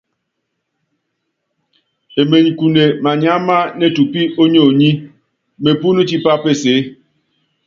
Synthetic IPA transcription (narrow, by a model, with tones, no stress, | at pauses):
e˨me˨ɲi˨ku˨ne˨ma˨ɲa˦ma˦ne˦˨tu˨pi˦o˦ɲo˦˨ɲi˦ | me˨pu˦ni˦t͡ʃi˦pa˦pe˦se˨˦